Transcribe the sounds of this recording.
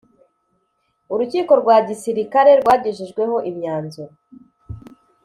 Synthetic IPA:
uɾuciːko̞ɾɡwaɟisiɾikaɾe̞ɾɡwaːɟeʒiʒɡwe̞ho̞ʔimɲaːnzuɾa

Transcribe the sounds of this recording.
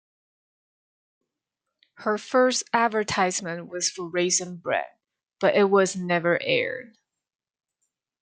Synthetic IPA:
hə˞fɜ˞stædvə˞tʰaɪzmɨ̃nʔwʌz̥fəɹeɪsɨ̃nbɹɛ̰d̚ | b̥ʌɾʔɪt̚wʌznɛvə˞ʔɛ̰ɹd̥̚

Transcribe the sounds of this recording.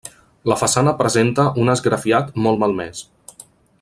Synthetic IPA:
ləfəsanəpɾəzent̪əʔunəzɡɾəfiat̪mɔlˠmalˠmɛ̰s

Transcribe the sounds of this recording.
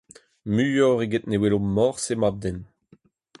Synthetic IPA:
myjɔʁeɡet̪newelomɔʁsemab̚d̪ɛn

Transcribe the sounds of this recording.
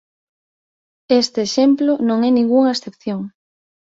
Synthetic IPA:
est̪eːʃemplonõŋɛnĩŋɡuŋɐesθepθjoŋ

